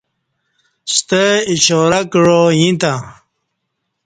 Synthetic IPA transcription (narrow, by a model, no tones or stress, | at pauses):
st̪eiɕoːɾakɻojĩt̪ã